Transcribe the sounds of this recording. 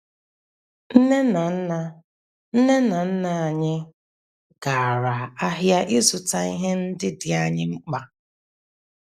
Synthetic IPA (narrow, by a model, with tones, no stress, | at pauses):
n̩˦ne˦na˨˦na˦ | n̩˦ne˦na˨n̩˦na˨ɲɪ˦ | ɡ̥a˨ɾa˨a˦ɦja˦ʔɪ˦zʊ˨ta˦i˦ɦe˦n̩˦dɪ˦dɪ˨a˦ɲɪ˦ŋ͡m̩˦k͡pa˨